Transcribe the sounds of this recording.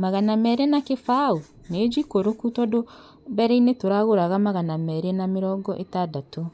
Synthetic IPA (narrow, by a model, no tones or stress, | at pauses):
maɣanamɛɾenakefao | ned͡ʒikoɾokutɔdo | bɛɾɛinetoɾaɣoɾaɣamaɣanamɛɾenameɾɔːŋɡɔʔetadato